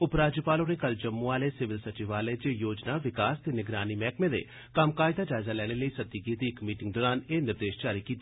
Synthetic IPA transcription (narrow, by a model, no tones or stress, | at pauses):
ʊpɾaːd͡ʒjəpaːlõnekɐld͡ʒɐmːũaːlesɪʋɪlsɐt͡ʃiʋaːled͡ʒeːjoːd͡ʒnaːʋɪkaːst̪enɪɡɾaːnimɛːkmẽd̪ḛː | kamkaːɪd̪aːd͡ʒaːɪzaːlɛːɽ̃eləiːsɐt̪ːiɡid̪iɪkmiːʈɪ̃ŋɡ̚d̪ɔːɾaːneːnɪɾd̪eːʃt͡ʃaːɾikiːt̪aː